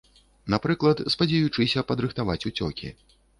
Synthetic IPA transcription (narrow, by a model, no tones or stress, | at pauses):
napɾɨklˠɐt̪spɐd͡zʲɛjut͡ʂɨsʲɐpɐd̪ɾɨxt̪avat͡sʲut͡sʲɔ̰kʲḭ